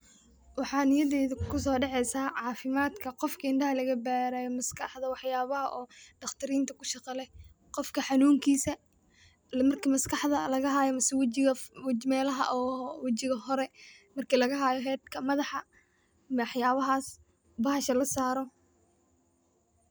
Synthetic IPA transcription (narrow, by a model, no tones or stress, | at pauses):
wɑħɑːnɪjɐðɛːðɐkʰʊsɔːɖɛħʕɛjsaːʕɑːfɪmaːd̪kʰɐqɔfkʰɐɪɳɖɐɦɐlɐɣɐbaːɾajɔmɐskʰɑħðɐwɑħjaːβɐɦɐʔɔːɖɑχt̪ʰɐɾiːnt̪ʰɐkʰʊ̥ʃɑqɑlɛj | qɔfkʰɐħɑnuːŋkʰiːsɐ | mɐrkʰimɐskɑħðɐlɐɣɐɦaːjɔmɐsɛwt͡ʃɪɣɐwmɛːlɐɦɐ̰ʔɔːwɑt͡ʃɪɣɐɦɔɾɛmɐrkʰiːlɐɣɐɦaːjɔɦɛːd̪kʰɐmɐðɑħɑ | mɑħjaːβɐɦaːs | bɐɦɐʃɐlɐsaːɾɔ